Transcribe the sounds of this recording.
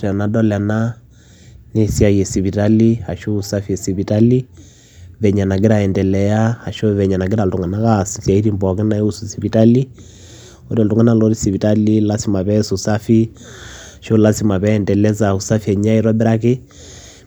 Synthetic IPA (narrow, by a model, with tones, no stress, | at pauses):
a˨na˨dɔ˦la˨na˦ | ne˦si˦a˨jɛ˨si˨βi˨ta˦li˦a˨ʃo˦usa˦fi˦ɛ˨si˨βi˨ta˦li˦ | βɛ˨ɲa˨na˨ɡ̬e˦ɾa˨ɛ˨ndɛ˨lɛ˨ja˦ha˨ʃɔ˦βɛ˨ɲa˨na˨ɡe˦ɾa˨ltu˨ŋɡa˨na˦ka˦si˨sia˨i˦ɾi˦mbɔ˨ke˦na˨i˦u˦su˨siβi˨ta˦li˦ | ɔ˦ɾa˨ltu˨ŋɡa˦na˦˨lɔ˦ɾi˦si˨βi˨ta˦li˦la˦si˨ma˨βɛ˦su˨sa˦fi˦ | a˨ʃo˦la˦si˦ma˨βɛ˦ɛndɛ˨lɛ˦zau˨sa˦fiɛ˨ɲa˦i˨ɾɔ˦bɛ˦ɾa˦k̬ɪ˦